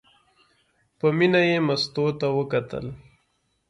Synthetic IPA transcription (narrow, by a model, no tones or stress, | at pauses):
pəminajemast̪ot̪awəkat̪ə̰l